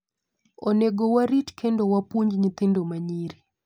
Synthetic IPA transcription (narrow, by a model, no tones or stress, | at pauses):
ɔneɡowaɾitkʰɛndowapuɲd͡ʒɲit̪indomaɲiɾi